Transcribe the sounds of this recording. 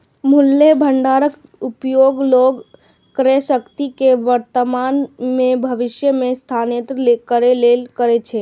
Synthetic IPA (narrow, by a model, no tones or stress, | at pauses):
mʊlːebʱəɳɖaɾək | upjoɡloɡ | kəɾesəkt̪ikeʋəɾt̪əmanmebʱəʋɪʃjəmẽst̪ʰanet̪ɾəlekəɾelelkəɾet͡ʃʰe